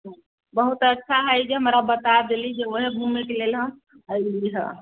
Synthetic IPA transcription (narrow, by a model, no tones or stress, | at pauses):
ɦ | bəɦut̪ətːʃʰaɦəjd͡ʒeɦəmɾabət̪ad̪elid͡ʒeʋəɦebʱumekelelɦəm | əjliɦɛ̰̃